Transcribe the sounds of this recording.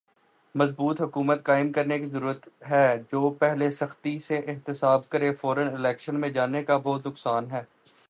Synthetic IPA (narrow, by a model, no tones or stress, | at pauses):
mɐzbuːt̪ɦʊkuːmət̪kaːɪmkɐɾnekizɐɾuːɾət̪ɦɛːd͡ʒoːpɛɦlesɐxt̪iseʔɪɦt̪ɪsaːb̚kɐɾefɔːɾənɪlɛːkʃənmẽd͡ʒaːnekabɔːt̪nʊksaːnɦɛː